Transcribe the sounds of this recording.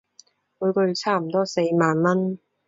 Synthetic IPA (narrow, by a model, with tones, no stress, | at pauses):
wuː˨˧jkɔ˧ɥy˧˥t͡sʰaː˥m̩˨˩t̪ɔː˥se˧jmaː˨˧nmɐ˥n